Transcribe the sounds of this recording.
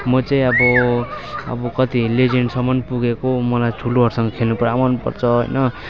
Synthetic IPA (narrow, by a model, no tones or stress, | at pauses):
mʌt͡saĩʌbʌ | ʌ̰bʌkʌt̪iled͡zeɳɖsʌmʌnpuɡekomʌlajtʰuloɦʌɾsʌŋɡʌkʰelnupɾamanupʌ̰rt͡sʰʌɦʌ̰jnʌ